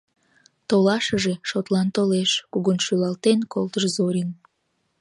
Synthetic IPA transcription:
t̪olɑʃəʒeʃot̪lɑnt̪oleʃkuɣonʃylɑlt̪enkolt̪əʃzoɾʲin

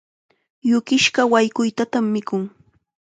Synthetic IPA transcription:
jʊkɪʃɢɑwajkʊjt̪at̪amːɪkʊŋ

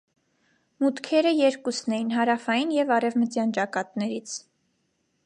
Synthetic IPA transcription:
mut̪kʰɛɾəjɛɾkusnɛjinɦɑɾɑfɑjinjɛvɑɾɛvmətjɑnt͡ʃɑkɑt̪nɛɾit͡sʰ

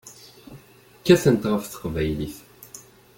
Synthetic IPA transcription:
kːæθənt̪ʁəfθə̥qvæjliθ

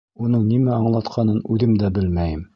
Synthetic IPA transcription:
unɤɴnimæɑɴlˠɑt̪qʰɑnɤnʉðɘmd̪æbɘlmæjɘm

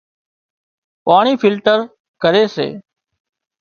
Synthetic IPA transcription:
paːɳ̃iːpɪlʈəɾ | kəɾeːsḛː

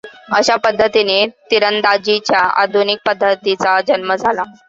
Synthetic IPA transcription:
əɕapəd̪ʱːət̪inet̪iɾənd̪ad͡ʑit͡ɕjaa̰d̪ʱunik̚pəd̪ʱːət̪it͡sad͡ʑənməd͡zʱala

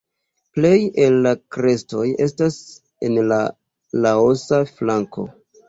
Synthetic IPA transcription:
ple̞jelːakɾe̞sto̞je̞stas | e̞̰nla | lao̞saflaŋko̞̰

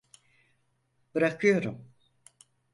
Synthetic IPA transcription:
b̥ɯɾakʰɯjo̞ɾum

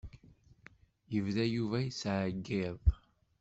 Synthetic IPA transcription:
jəvðæjuvæjəsʕəɡːɪð

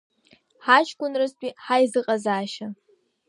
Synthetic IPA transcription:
ħat͡ʃʰʼkʷʼʊnrɨstʷʼiħajzɨqʼazaːʃa

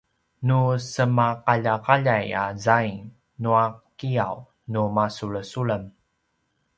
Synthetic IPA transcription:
nusəmaqaʎakaʎajazaj | nuakiaw | numasuɭəsuɭəm

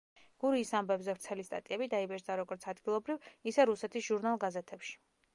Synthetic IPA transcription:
ɡ̥uɾiːsambɛbzɛvɾt̪sʰɛlist̪ʼa̰t̪ʼiɛbid̪aibɛd͡ʒd̪aɾɔɡɔɾt̪sʰad̪ɡilˠɔbɾivisɛɾusɛt̪ʰisʒ̥uɾnalˠɡazɛt̪ʰɛpʃi̥

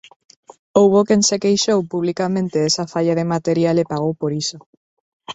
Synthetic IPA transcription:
owβokensekejʃowpuβlikamẽnt̪eesafaʎaðemat̪eɾjalepaɣ̞owpoɾiso

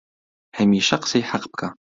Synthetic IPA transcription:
ħamiːʃɐqsɐjħaqp̚kʼa

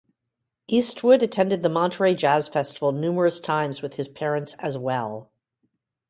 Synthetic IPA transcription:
ʔist̚ʰwʊɾɨtʰɛ̃ndɨd̪̚ðəmɑ̃ntʰɹeɪd͡ʒæz̥fɛstəvl̩ˠnʉmə˞ɨstʰãɪ̃mzwɨð̥ɨz̥pʰɛɹɨ̃ntsɨzwɛlˠ

